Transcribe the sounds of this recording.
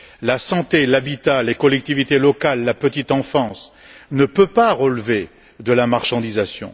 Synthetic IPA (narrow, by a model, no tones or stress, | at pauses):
lasɑ̃t̪elabit̪alekɔlɛk̚t̪ivit̪elɔkalːapət̪it̪ɑ̃fɑ̃s | nəpøpaʁəlve | d̪əlamaʁʃɑ̃d̪izasjɔ̰̃